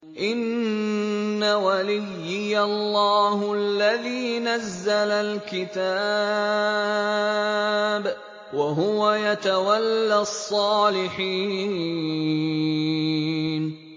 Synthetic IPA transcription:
ʔɪnː | awalɪjːɪjalˤːɑːhʊalːaðiːnazːalalkɪt̪a | b | waɦʊwajat̪awalːasˤːɑːlɪħiː | n

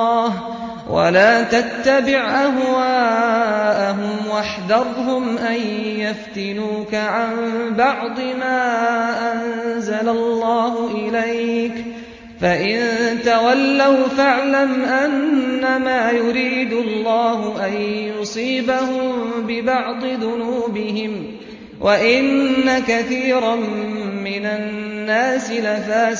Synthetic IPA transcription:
h | wʔa̰laːt̪at̪ːabɪʕʔaɦwaːʔaɦʊmwaħd̪ɑðˤɦʊmʔanjaft̪ɪnuːkaʕambɑʕd̪ˤɨmaːʔanzalalːɑːhʊʔɪlajk | faʔɪnt̪awalːawfaʕlamʔanːamaːjʊɾiːd̪ʊlːɑːɦʊʔanjʊsˤiːbahʊmbɪbɑʕd̪ˤɨðʊnuːbɪhɪm | wʔaʔɪnnːakaθiːɾɑmːɪnanːaːsɪlafaː

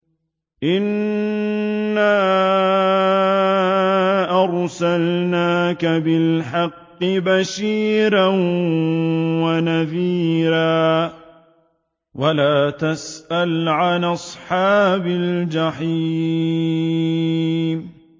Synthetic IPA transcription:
ʔɪn | aː | ʔɑɾˤsalnaːkabɪlħɑqːɨbaʃiːɾan | wanaðiːɾaː | walaːt̪asʔalʕanʔɑsˤħɑːbald͡ʒaħiː | m

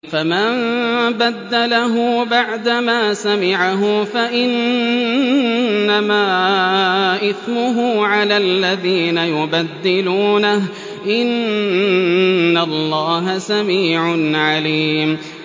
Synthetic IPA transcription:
fama | bad̪ːalaɦʊbaʕd̪amaːsamɪʕaɦʊfaʔɪn | amaː | ʔɪθmʊɦuːʕalaːlːaðiːnajʊbad̪ːɪluːnah | ʔɪn | alˤːɑːɦasamiːʕʊnʕaliːm

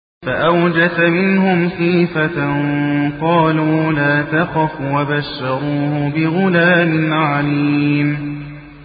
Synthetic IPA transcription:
faʔawd͡ʒasamɪnhʊmxiːfa | qɑːluːlaːt̪axɑfwabaʃːɑɾuːhʊbɪɣʊlaːmɪnʕaliːm

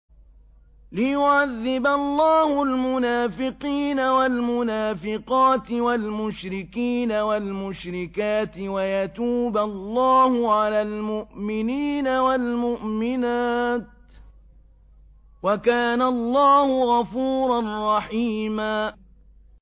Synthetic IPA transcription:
lɪjʊʕaðːɪbalˤːɑːhʊlmʊnaːfɪqiːnawalmʊnaːfɪqɑːt̪ɪwalmʊʃɾɪkiːnawalmʊʃɾɪkaːt̪ɪwajat̪uːbalˤːɑːhʊʕalaːlmʊʔmɪniːnawalmʊʔmɪnaːt̪̚ | wakaːnalˤːɑːhʊɣɑfuːɾˤɑnrːˤɑħiːmaː

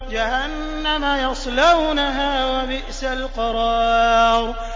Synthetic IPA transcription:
d͡ʒahanːamajɑsˤlawnaɦaːwabɪʔsalqɑɾˤɑːɾˤ

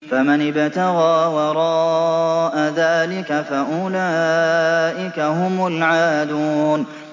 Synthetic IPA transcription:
famanɪbt̪aɣaːwɑɾˤɑːʔaðaːlɪkafaʔʊlaːʔɪkahʊmʊlʕaːd̪uːn

